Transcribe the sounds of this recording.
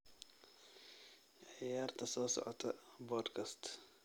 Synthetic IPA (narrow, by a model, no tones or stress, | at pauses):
ʔjaːɾt̪ʰɐsɔːsɔ̰ʕɔt̪ʰɐboːdkʰɐst̪